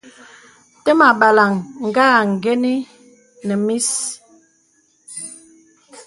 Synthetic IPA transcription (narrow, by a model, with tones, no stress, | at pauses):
tə˦ma˨ɓa˨la˨ŋŋ̩˨ɡaː˦˨ŋ̩˨ɡɛ˦ni˦ | nə˨mi˦s